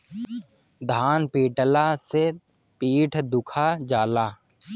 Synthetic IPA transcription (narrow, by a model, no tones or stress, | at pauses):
d̪ʱaːnpiːʈəlase | piːʈʰd̪ʊkʰad͡ʒaːlaː